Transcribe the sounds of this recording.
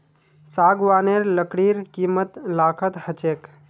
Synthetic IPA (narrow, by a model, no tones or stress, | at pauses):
saːɡʋaːneːɾləkɽiːɾkiːmət̪laːkʰət̪hət͡ʃeːk